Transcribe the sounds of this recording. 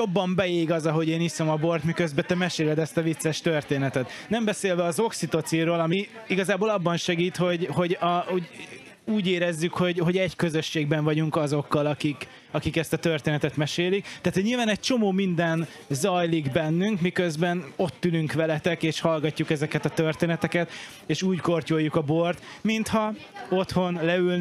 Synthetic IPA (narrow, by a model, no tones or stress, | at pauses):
jo̞bːɒmbɛjeːɡɒzɒɦo̞ɟeːnisomɒbo̞rt̪mikø̞zbɛt̪ɛmɛʃeːlɛd̪ɛst̪ɒvit̪sːɛʃt̪ørt̪eːnɛt̪ɛt̪nɛmbɛseːlvɛɒzo̞ksit̪ot̪siɾoːlɒmi | iɡɒzaːboːlɒbːɒnʃɛɡiːt̪ho̞ɟho̞ɟɒuɟ | uːɟeːɾɛzːykho̞ɟho̞ɟɛɟkøzøʃːeːɡbɛɱvɒɟuŋkɒzo̞kːɒlɒkik | ɒkikɛst̪ɒt̪ørt̪eːnɛt̪ɛt̪mɛʃeːlik̚t̪aːt̪hoɟɲiːlvaːnɛc̚t͡ʃo̞moːmind̪ɛn | zɒjliɡbɛnːyŋkmikøzbɛno̞t̪ːylyŋkʋɛlɛt̪ɛkeːʃhɒlɡɒcːukɛzɛkɛt̪ɒt̪ørt̪eːnɛt̪ɛkɛt̪ | eːʃuːɟko̞rcojːukɒbo̞rt̪mint̪hɒ | o̞t̪ho̞nlɛyl